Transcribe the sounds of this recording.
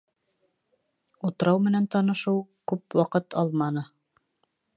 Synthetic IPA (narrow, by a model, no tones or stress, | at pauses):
ut̪ɤ̆ɾɑwmɘ̆nænt̪ɑnɤ̆ʃɤwkʉpwɑqɤt̪ʰɑlˠmɑnɤ